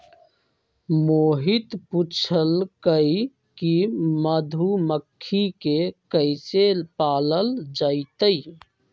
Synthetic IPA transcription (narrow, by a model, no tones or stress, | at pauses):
moːɦit̪put͡ʃʰəlkəi | kiməd̪ʱuməkʰːikekəɪsepaːləld͡ʒaɪt̪əj